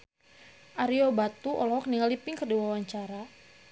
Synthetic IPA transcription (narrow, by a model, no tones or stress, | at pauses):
ʔaɾiobat̪uʔɔ̰lɔhɔkniŋalipɪŋkəduwawaɲt͡ʃaɾa